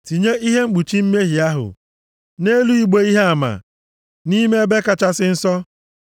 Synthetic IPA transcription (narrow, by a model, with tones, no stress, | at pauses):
ti˨ɲe˦ʔi˦ɦe˦ŋ͡m̩˦ɡ͡bu˨t͡ʃi˦m̩˦me˦ɦi˨a˦ɦʊ̰˨ | ne˦lu˦i˦ɡ͡be˦i˦ɦe˦a˨ma̰˨ | ni˦me˦be˦ka˨t͡ʃa˦sɪ˦n̩˦sɔ˦